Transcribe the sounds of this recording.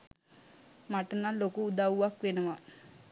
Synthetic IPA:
maʈənalokuːd̪awuʋakʋenəʋa

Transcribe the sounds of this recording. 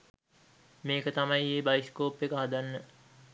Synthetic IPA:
meːkət̪ɐmaieːbaiskoːpekaɦad̪anːə

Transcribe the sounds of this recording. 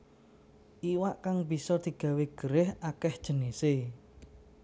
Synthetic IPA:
ʔiwaʔkaŋbi̤sɔd̪̥i̤ɡ̥ä̤weɡ̥əɾɪhakɛhd̥ʒ̥ə̤nese

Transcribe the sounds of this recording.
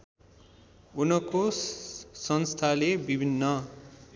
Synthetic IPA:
unʌko | sʌnst̪ʰalebibʱinːʌ

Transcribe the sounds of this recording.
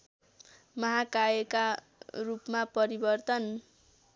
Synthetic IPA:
mʌɦakaeka | rupmapʌɾibʌrt̪ʌn

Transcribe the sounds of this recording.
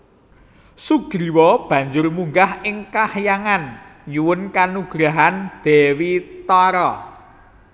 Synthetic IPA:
suɡ̥ɾiwɔb̥ä̤ɲd͡ʒʊrmuŋɡahɪŋkahjaŋanɲuwʊnkanuɡ̥ɾaɦand̪̥e̤wit̪ɔɾɔ

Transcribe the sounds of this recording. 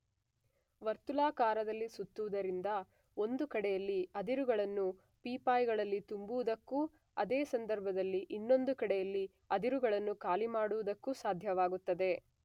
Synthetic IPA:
ʋɐɾt̪ulaːkaːɾɐd̪ɐlːisut̪ːuʋud̪ɐɾind̪ɐ | o̞nd̪ukɐɽɛjɐlːiɐd̪iɾuɡɐɭɐnːu | piːpaːjɡɐɭɐlːit̪umbuʋud̪ɐkːu | ɐd̪eːsɐnd̪ɐɾbʱɐd̪ɐlːiʔinːo̞nd̪ukɐɽɛjɐlːi | ɐd̪iɾuɡɐɭɐnːukaːlimaːɽuʋud̪ɐkːusaːd̪ʱjɐʋaːɡut̪ːɐd̪e̞

